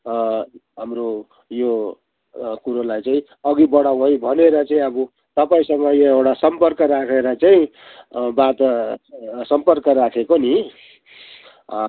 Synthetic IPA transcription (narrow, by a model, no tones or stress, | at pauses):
ɦamro | jo | kuɾolajt͡saĩ | ʌɡibʌɽawɦojbʱʌneɾʌt͡saĩʌbʌ | t̪ʌpaĩsʌŋɡʌjoewɽasʌmpʌrkʌɾakʰeɾʌt͡saĩ | bat̪ | sʌmpʌrkʌɾakʰekoni